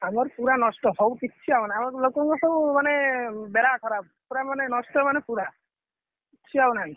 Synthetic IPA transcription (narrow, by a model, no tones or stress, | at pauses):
amɔɾpuɾanɔsʈɔsɔbukit̪ːt͡ʃʰiawnajamɔɾlokɔŋkɔsɔbumanebeɾakʰɔɾab̚ | puɾamanenɔsʈɔmanepuɾa | kitːʃʰiawnaĩ